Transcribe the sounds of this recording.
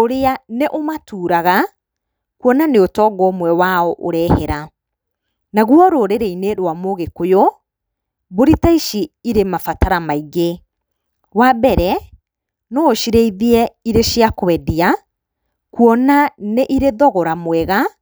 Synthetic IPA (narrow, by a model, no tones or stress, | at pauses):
oɾeaneʔomatuːɾaɣa | kwɔnaneotɔɡɔmwɛwaɔʔoɾɛhɛɾa | naɣwɔɾoɾeɾeineɾwamoɣekojo | boɾitaiʃiiɾemafataɾamaiɣe | wabɛɾɛ | nɔoʃiɾeiðiɛiɾeʃiakowɛdia | kwɔnaneʔiɾeðɔɣɔɾamwɛɣa